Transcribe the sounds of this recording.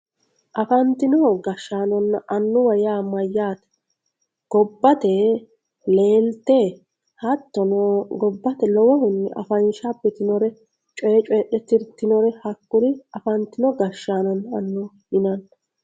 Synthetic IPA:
ʔɐfɐnt̪ɪnɔɡɐʃːaːnɔnːɐʔɐnːʊwɐjaːmɐjːaːt̪ɐ | ɡ̥ɔbːɐt̪ɛ | le̞ːlt̪e | hɐt̪ːɔnɔɡɔbːɐt̪ɛlɔwɔhʊnːɛ̰ʔɐfɐnʃabːɛt̪ɪnɔɾɛ | t͡ʃʼɔːt͡ʃʼɔɗɛt̪ːɪɾt̪ɪnɔɾɛhɐkːʊɾɪɐfɐnt̪ɪnɔɡɐʃːaːnɔnːɐɐnːʊ | ɪnɐn

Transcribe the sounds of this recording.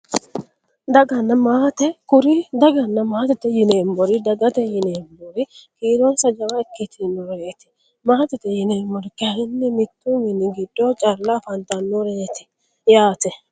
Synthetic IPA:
d̪ɐɡɐnːɐmaːt̪ɛkʊɾɪd̪ɐɡɐnːɐmaːt̪ɪt̪ɛjɪneːmbɔɾɪd̪ɐɡɐt̪ɛjɪneːmbɔɾɪkiːɾɔnsɐd͡ʒɐwaɛkːɪt̪ɪnoɾeːt̪ɪ̥ | maːt̪ɪt̪ɛjɪneːmːɔɾɪkːɪɐhɪnːɪmɪt̪ːumɪnɪɡɪd̪ːot͡ʃʼɐɾlafɐnt̪ɐnːoɾeːt̪ɪ̥ | jaːt̪ɛ

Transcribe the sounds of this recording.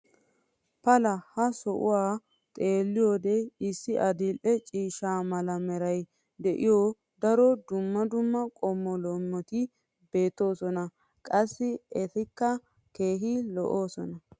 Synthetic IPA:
pɐlɐhɐsɔʔʊ̰waː | t̪ʼe̞ːlːɪjoːd̪ɛɪsːɪʔɐd̪ɪlʔɛt͡ʃʼiːʃaːmɐlɐmɛɾɐj | d̪ɛʔɪjoː | d̪ɐɾɔd̪ʊmːɐd̪ʊmːɐkʼɔmːɔlɔmːɔt̪ɪ | be̞ːt̪ːo̞ːsɔnɐ | kʼɐsːɪɛt̪ɪkːɐ | ke̞ːɦɪlɔ̰ʔoːsɔnɐ

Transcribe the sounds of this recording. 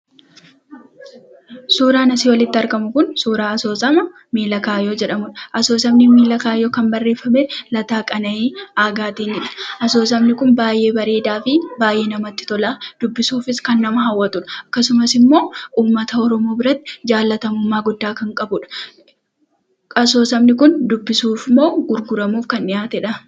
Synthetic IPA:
suːɾaːnɐsiːwɐlɪt̪ːɪɐɾkɐmʊkʊnsuːɾaːɐso̞ːsɐmɐ | miːlɐkaːjoːd͡ʒɛᶑɐmʊᶑɐʔɐso̞ːs̬ɐmnɪmiːlɐkaːjoːkɐnbɐrːe̞ːfːɐmeːlɐt̪aːkʼɐnɐiːaːɡaːt̪iːnɪᶑɐ̥ʔɐso̞ːs̬ɐmnɪkʊnbaːjʔe̞ːbɐɾeːd̪aːfɪbaːjʔe̞ːnɐmɐt̪ːɪ̥t̪ɔlaːd̪̥ʊbːɪsuːfɪskɐnːɐmɐɦɐwːɐt̪ʊᶑɐ̥ɐkːɐsʊmɐsɪmːo̞ːuːmːɐt̪ɐɔɾɔmo̞ːbɪɾɐt̪ːɪ̥d͡ʒaːlːɐt̪ɐmʊmːaːɡʊd̪ːaːkɐŋkʼɐbʊᶑɐ̥ | ɐs̬o̞ːsɐmnɪkʊnd̪ʊbːɪsuːfmo̞ːɡʊɾɡʊɾɐmuːfkɐnɪjaːt̪ɛᶑɐ

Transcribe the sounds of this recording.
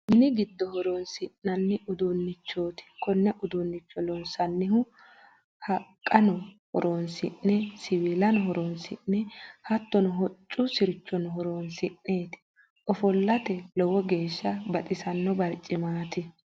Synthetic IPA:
mɪnɪɡɪd̪ːɔhɔɾoːnsɪnːɐnːɪʔʊd̪unːɪt͡ʃːo̞ːt̪ɪ̥kɔnːɛʔʊd̪unːɪt͡ʃːɔlɔnsɐnːɪhʊ | hɐkʼːɐnɔhɔ̰ɾoːnsɪ̰nːɛsɪwilɐnɔɦɔɾoːnsɪ̰nːɛhɐt̪ːɔnɔɦɔt͡ʃʼːʊsɪɾɪt͡ʃːɔnɔɦɔɾoːnsɪnːe̞ːt̪ɪ̥ | ʔɔfɔlːɐt̪ɛlɔwɔɡeːʃːɐbɐt̪ʼɪsɐnːɔbɐɾt͡ʃʼːɪmaːt̪ɪ

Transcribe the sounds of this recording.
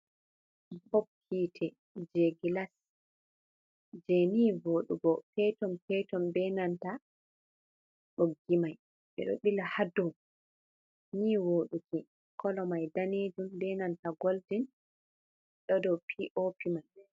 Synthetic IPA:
hop̚kʰiːtʰɛ | d͡ʒeɡilas | d͡ʒɛniːvoːɗuɡɔpɛtɔmpɛtɔmbɛnanta | ɗoɡːimaj | ɓɛ̰ɗo̰ɗilahadɔm | niːwoːɗuki | kʰɔlɔmajdaned͡ʒumbɛnantaɡoldin | ɗɔdɔpʰiʔopimaj

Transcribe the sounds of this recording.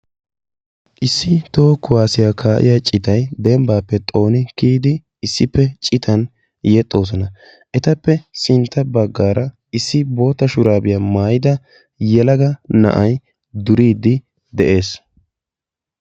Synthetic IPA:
ʔɪsːɪt̪o̞ːkʊwaːsɪjaːkʰaːʔɪ̰jat͡ʃʼɪt̪ɐjd̪ɛmbaːpːɛt̪ʼo̞ːnɪkiːd̪ɪ | ɪsːɪpːɛt͡ʃʼɪt̪ʰɐn | jɛt̪ʼːo̞ːs̬ɔnɐ | ʔɛt̪ɐpːɛsɪnt̪ːɐbɐɡːaːɾʔɐ | ɪsːɪbo̞ːt̪ːɐʃʊɾaːbɪjamaːjɪd̪ɐ | jɛlɐɡɐnɐ̰ʔɐj | d̪ʊɾiːd̪ɪ | d̪ɛʔe̞ːs

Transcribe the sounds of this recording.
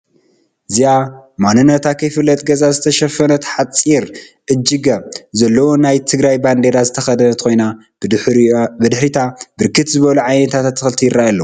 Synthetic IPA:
ziamanɨnːɐt̪ʰakʰɐjfɨlːɐt̪ʼɡɐzazɨt̪ʰɐʃɐfɐnɐt̪ħat͡sʼːiɾʔɨd͡ʒːɨɡɐβzɐlːɐwonajt̪ʰɨɡɾajband̪e̞ɾazɨt̪ʰɐxɐd̪ɐnɐt̪kʰo̞jnḁ | bɨd̪ɨħɾit̪ʰabɨɾkʰɨt̪zɨβɐluʕajnɐt̪ʰat̪at̪ːɨxɨlt̪ʰijɪɾajalːɐwu

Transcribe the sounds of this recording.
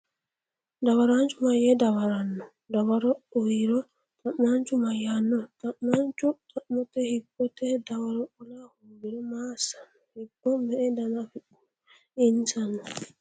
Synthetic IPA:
dawaɾand͡ʒumajɛdawaɾanːɔ | dawaɾɔɔwiɾɔ | tanːand͡ʒumajanːɔtanand͡ʒutamɔtɛhibːɔtɛdawaɾɔʔɔlahumbiɾɔmasḁ | hibːɔmɛːdanafi | insanːɔ

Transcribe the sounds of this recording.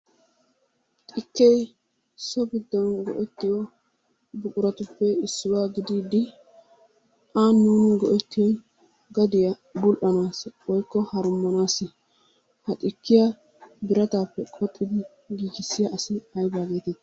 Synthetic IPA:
t̪ʼɪkːɛj | sɔbɪd̪ːɔnɡɔ̰ʔɛt̪ːɪwɔ | bʊkʼʊɾɐt̪ʊpːɛɪsːɪwaːɡɪd̪iːd̪ɪ | ʔaːnːuːnɪɡɔʔɛt̪ːɪw | ɡɐd̪ɪjɐ | bʊlʔɐnaːswɔjkːɔhɐɾʊmːɐnaːsɪ | hɐt̪ʼɪkːɪja | bɪɾɐt̪aːpːɛkʼɔt̪ʼːɪd̪ɪ | ɡiːɡɪsːɪjaʔɐsɪɐjbaːɡeːt̪ɪd̪

